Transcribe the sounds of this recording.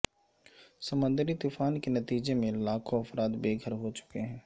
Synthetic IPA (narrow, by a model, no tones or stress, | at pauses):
sɐmə̃nd̪ɾit̪ʊfaːnkenɐt̪iːd͡ʒemẽlaːkʰoɐfɾaːt̪beːɡʱəɾɦot͡ʃʊ̥keɦɛ̃ː